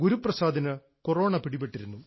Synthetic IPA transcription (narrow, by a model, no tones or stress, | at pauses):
ɡuɾuprɐsaːd̪ʱɐnɨ | koro̞ːɳɐpiɽipːeʈːiɾunːu